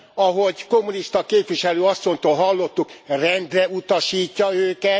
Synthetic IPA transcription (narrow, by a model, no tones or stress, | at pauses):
ɒɦo̞ɟko̞mːuniʃt̪ɒkeːpʋiʃɛløːɒsːo̞ɲt̪oːlɦɒlːo̞t̪ːukrɛnd̪rɛut̪ɒʃiːcːɒøːkɛ